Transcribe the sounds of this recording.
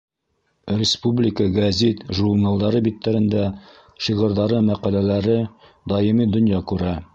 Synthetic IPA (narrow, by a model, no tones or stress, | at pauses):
rʲɪspublʲɪkəɡɐzʲet̪ʒuɾnɑlˠd̪ɑɾɤbit̪ːæɾɘ̆nd̪æ | ʃiʁɤ̆ɾðɑɾɤmæqælælæɾɘ | d̪ɑjɤmid̪ŏnjɑkʉɾæ